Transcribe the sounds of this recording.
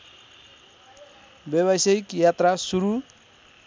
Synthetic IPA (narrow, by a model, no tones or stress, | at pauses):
beβajsejkjat̪ɾasuɾu